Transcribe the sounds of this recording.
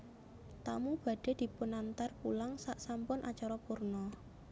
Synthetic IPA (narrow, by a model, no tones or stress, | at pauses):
t̪amub̥ä̤ɖ̥e̤d̪̥i̤punant̪arpulaŋsaʔsampʊnʔa̰t͡ʃaɾɔpurnɔ